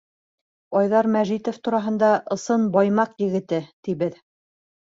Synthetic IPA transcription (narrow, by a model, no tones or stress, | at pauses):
ɑjðɑɾmæʒit̪ŏft̪uɾɑɦɤ̆nd̪ɑʔɤ̆sɤnbɑjmɑqjɘ̆ɡɘ̆t̪ɘt̪iβɘð